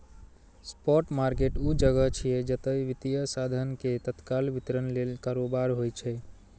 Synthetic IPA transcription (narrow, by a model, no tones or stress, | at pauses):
spɔʈmaɾkeʈud͡ʒəɡət͡ʃʰijed͡ʒət̪əiʋit̪ijəsad̪ʱənket̪ət̪kalʋit̪ɾənlelkaɾobaɾɦojt͡ʃʰɛ